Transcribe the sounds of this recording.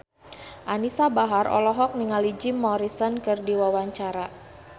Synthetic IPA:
ʔanisabaɦarʔɔ̰lɔɦɔk̚niŋalid͡ʒimɔɾisɔnkɨrdiwawaɲt͡ʃaɾa

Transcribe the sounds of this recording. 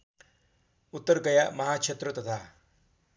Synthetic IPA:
ut̪ːɐɾkɐjamɐɦaːkʂʰet̪ɾɐt̪ɐt̪ʰaː

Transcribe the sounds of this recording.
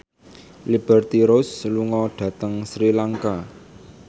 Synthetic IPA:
lib̥ɛrt̪iɾosluŋɔɖ̥ä̤t̪əŋsɾilaŋka

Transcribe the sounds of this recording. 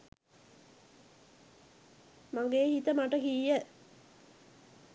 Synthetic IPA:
maŋɡehit̪əmaʈəkijə

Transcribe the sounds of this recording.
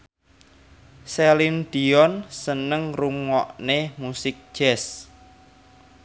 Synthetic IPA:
selind̪̥iɔnsənəŋruŋɔʔnemusɪk̚d̥ʒ̥ɛs

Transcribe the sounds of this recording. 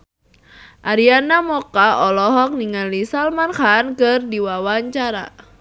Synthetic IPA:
ʔaɾianamɔkaɔlɔɦɔk̚niŋalisalmankankɨrdiwawaɲt͡ʃaɾa̰

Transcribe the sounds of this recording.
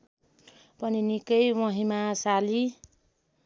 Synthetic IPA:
pʌninikʌjmʌɦimasali

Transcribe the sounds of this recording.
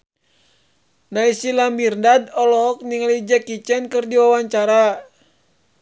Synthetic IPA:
naisilamirndadɔlɔɦɔk̚niŋalid͡ʒakit͡ʃɛnkɨrdiwawaɲt͡ʃaɾa

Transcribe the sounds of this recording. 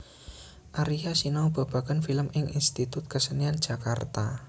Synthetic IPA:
ʔaɾiɦasinawb̥a̤b̥a̤kənfiləmʔɪŋʔḭnst̪it̪ʊt̪̚kəsənian̥ʒ̥ä̤kart̪a

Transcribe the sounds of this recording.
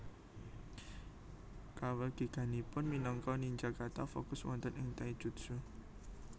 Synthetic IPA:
kawəɡ̥i̤ɡ̥a̤nipʊnminɔŋkɔniɲd͡ʒakart̪afo̰kʊswɔ̰nt̪ənɪŋt̪aid̥ʒ̥ṳt̪su

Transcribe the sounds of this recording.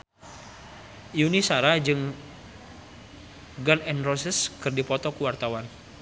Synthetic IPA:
junisaɾad͡ʒɨŋ | ɡanɛnrɔsəskɨrdipɔt̪ɔkuwart̪awan

